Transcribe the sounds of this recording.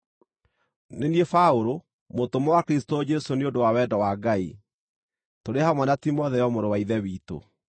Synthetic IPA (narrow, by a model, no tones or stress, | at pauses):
neniefaoɾo | motomɔwakɾistod͡ʒɛsoneodowawɛdɔwaɡai | toɾehamwɛnatimɔðɛjɔmoɾowaiðɛwito̰